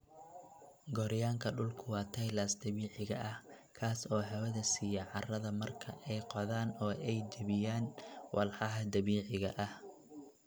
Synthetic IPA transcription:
ɡɔɾjaːŋkʰɐɖʊlkʰʊwɑːt̪ʰɐjlaːsd̪ɐβiːʕɪɣɐʔɐh | kʰaːsɔːɦɛwɐðɐsiːjɐʕɑrɐðɐmɐrkʰɐʔɛjqɔðaːnɔːʔɛjd͡ʒɐβɪjaːnwʔɑlħɑɦɐd̪ɐβiːʕɪɣɐʔɐh

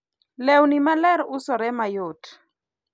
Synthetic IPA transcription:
lɛwnimalɛɾʊsɔɾɛmajʊt

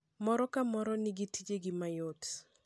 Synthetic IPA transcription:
mɔɾɔkamɔɾɔnɪɡitid͡ʒeɡɪmajot

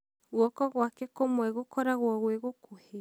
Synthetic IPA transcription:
ɣwɔkɔɣwakɛkomwɛɣokɔɾaɣwɔɣweɣokʰohe

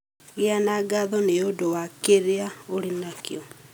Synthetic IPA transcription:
ɣeanaɡaðɔneodowakeɾeaoɾinakjɔ

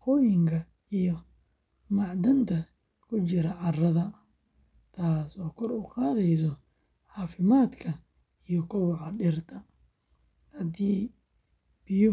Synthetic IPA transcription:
qɔːjɪŋkʰɐ | ijɔ | mɑʕd̪ɐnt̪ʰɐ | kʰʊt͡ʃɪɾɐʕɑrɐðɐ | t̪ʰaːsɔːkʰɔrʊqɑːðɛjsɔ | ʕɑːfɪmaːd̪kʰɐ | ijɔkʰɔwɑʕɑɖɪrt̪ʰɐ | hɐd̪iː | b̥ɪjɔ

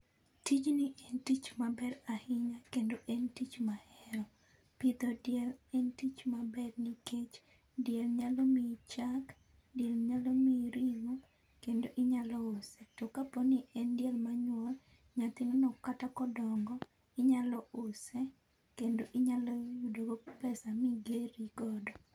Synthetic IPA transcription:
tit͡ʃnɪʔɛntit͡ʃmabɛɾahɪɲakendoʔɛntit͡ʃmahɛɾɔ | pit̪ɔdjɛlɛntit͡ʃmabɛɾniket͡ʃ | djɛlɲalɔmit͡ʃak | dɪɛlɲalomiɾiɡo | kendoʔɪɲalɔosɛtokaponɪʔɛndjɛlmaɲwɔl | ɲat̪ɪnɔnɔkatakɔdɔŋɡɔ | ɪɲalɔʊsɛ | kendoʔɪɲalɔjudoɡopɛsamiɡeɾiɡɔdɔ

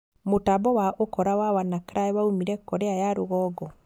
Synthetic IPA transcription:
motabɔwaʔokɔɾawawanakɾaɛwaumiɾɛkɔɾeajaɾoɣɔːɡɔ

